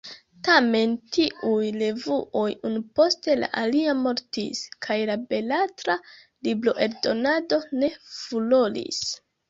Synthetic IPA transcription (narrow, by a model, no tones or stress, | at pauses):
tame̞ntiʔujle̞vuʔo̞junupo̞ste̞la̰ʔaliamo̞ɾtḭskʰajlabe̞latɾa | liblo̞ʔe̞ɾdo̞nado̞ne̞fulo̞lḭs